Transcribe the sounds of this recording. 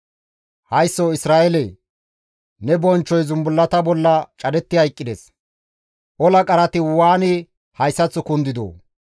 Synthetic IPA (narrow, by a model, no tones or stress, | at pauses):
hɐjsːoɪsɾaːʔɛle | nɛbɔnt͡ʃːɔjzʊmbʊlːɐt̪ɐbɔlːɐt͡ʃʼɐd̪ɛt̪ːɪhɐjkʼːɪd̪ɛs | ʔɔlɐkʼɐɾɐt̪ɪwaːnɪ | hɐjsːɐt͡sːʊkʊnd̪ɪd̪o̰ː